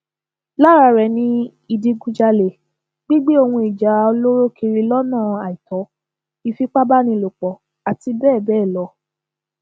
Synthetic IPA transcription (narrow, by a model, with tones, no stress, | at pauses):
la˦ɾa˧ɾɛ˨nĩ˧˦ | i˧di˧˦ɡũ˦d͡ʒa˧le˨ | ɡ͡bi˦ɡ͡bi˦o˧hũ˧i˨d͡ʒa˨˦o˧lo˦ɾo˦kʰi˧ɾi˧lɔ˦nãː˦˨a˨i˨tɔ˨˦ | i˧fi˦k͡pa˦ba˦nĩ˧˨lo˨k͡pɔ˨ | a˨ti˧bɛː˦˨bɛː˦˨lɔ˧˦